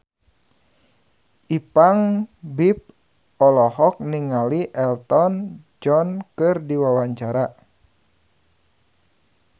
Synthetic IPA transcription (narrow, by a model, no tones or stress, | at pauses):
ʔipaŋbip̚ | ɔlɔhɔk̚niŋaliʔɛlt̪ɔn | d͡ʒɔnkɨrdiwawaɲt͡ʃaɾa